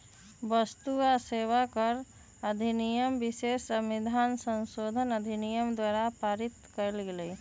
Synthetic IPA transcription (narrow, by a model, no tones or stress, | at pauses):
bəst̪uaseːʋakəɾ | əd̪ʱinijəmbɪsesəmid̪ʱaːnsə̃nsod̪ʱənəd̪ʱinijəmd̪waːɾapaːɾɪt̪kəɾlɡelə